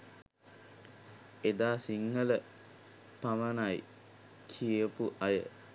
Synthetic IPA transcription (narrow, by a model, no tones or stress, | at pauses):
ed̪aːsiŋːələ | paʋənaj | kʰiəpuʔɐjə̰